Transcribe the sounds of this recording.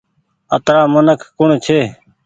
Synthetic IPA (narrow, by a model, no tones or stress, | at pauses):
ə̰t̪ɾaːmənəkʰːʊɳt͡ʃʰeː